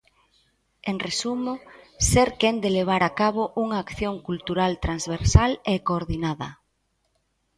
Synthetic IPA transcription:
eŋresumoseɾkend̪eleβ̞aɾakaβ̞oʔuŋaːkθjoŋkult̪uɾalt̪ɾanzβeɾsalekoːɾðinaðɐ

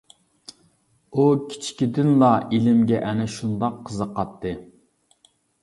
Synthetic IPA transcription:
ukʲʰi̥t͡ʃʰkʲid̪ɪnlˠɑilɪmɡʲɛʔɛnɛʃund̪ɑqʰːəzəqʰɑt̪ʰːɨ

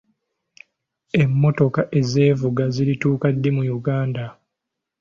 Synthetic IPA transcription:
e̞mːo̞to̞kaʔe̞ze̞ːvuɡaziɾituːkadːemujuɡaːnda

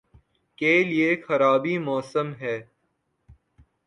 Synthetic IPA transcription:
keːliexɐɾaːbimɔːsəmɦɛː

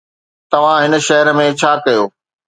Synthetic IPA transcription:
t̪ɐʋ̤ãɦɪnə̆ʃɐɦəɾəmẽt͡ɕʰaːkɐjoː

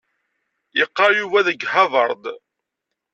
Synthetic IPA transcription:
jəqːɑjuvæðəɡhɑðˤəɾˤd̪ˤ

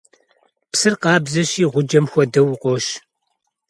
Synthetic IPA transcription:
psɨrqɑːbzɐɕiːʁʷʊd͡ʒɐmxʷɔdɐwʊqʷʼɔʃ

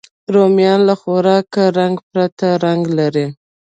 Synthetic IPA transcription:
ɾomijɑnlaxoɾɑkaɾaŋɡpɾat̪aɾaŋɡlaɾi

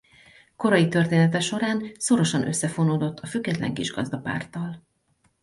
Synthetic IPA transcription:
ko̞ɾɒjit̪ø̞rt̪eːnɛt̪ɛʃo̞ɾaːnso̞ɾo̞ʃɒnʔøsːɛfo̞noːd̪o̞t̪ʰːɒfyɡːɛt̪lɛ̰ŋkiʒɡɒ̰zd̪ɒpa̰ːrt̪ɒl

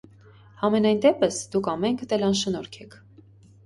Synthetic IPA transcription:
hɑmɛnɑjnd̪ɛpəsd̪ukʰɑmɛŋkʰt̪ɛlɑnʃənɔɾkʰɛkʰ

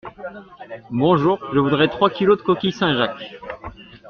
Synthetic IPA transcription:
bɔ̃ʒuːʁʒəvud̪ʁɛt̪χwakʲilod̪əkɔkʲijsɛ̃ʒak

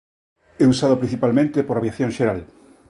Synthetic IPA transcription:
ɛusaðʊpɾĩ̟θipalmẽnt̪epoɾaβjaθjõŋʃeɾal

